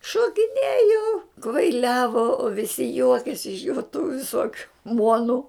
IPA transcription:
ʃoːkʲɪˈnʲeːjoː kʋɐɪˈlʲæːʋoː oː ʋʲɪˈsʲɪ ˈjuɔkʲeːsʲɪ ɪʃ joː tuː ʋʲɪˈsoːkʲʊ ˈmuɔnʊ

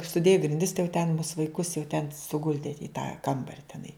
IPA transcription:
sʊˈdʲeːjʊ ɡrʲɪnʲˈdʲɪs tɐɪ jɛʊ tʲɛn mʊs ʋɐɪˈkʊs jɛʊ tʲɛn sʊˈɡʊlʲdʲɪ ɪ tɑː ˈkɐmbɐrʲɪ tʲɛˈnɐɪ

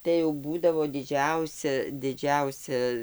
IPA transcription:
tɐɪ jɛʊ ˈbuːdɐʋoː dʲɪˈd͡ʒʲɛʊsʲɛ ˈdʲɪd͡ʒʲɛʊsʲɛ

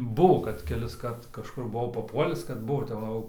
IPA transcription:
ˈbʊʋoː kɐt kʲɛlʲɪsˈkɐrt kɐʃˈkʊr bʊˈʋɐʊ pɐˈpuɔlʲɪs kɐt ˈbʊʋoː tʲɛp ˈʋɐ jɛʊ

